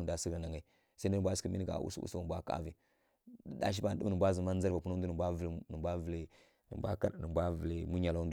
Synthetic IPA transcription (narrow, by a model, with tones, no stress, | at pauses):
da˨˦si˦ɡa˨na˨ŋa˨i˨ | sa˦du˦˨bʷa˦sə˨mi˦n˦ɡa̰˨ṵ˦sṵ˦sa˦˨bʷa˦ka̰˦vi˨˦ | da̰˦ʃ̬i˦ba˦n˨ɗə˦nə˨bʷa˦zə˨ma˦za˦ɾva˨pu˦na˦du˦n˨bʷa˦vlnə˨bʷa˦və˨li˦ | nə̰˨mbʷa̰˦ka˦ɾnə˨mbʷa˦və˨li˨mu˦ɲa˨la˦n˦d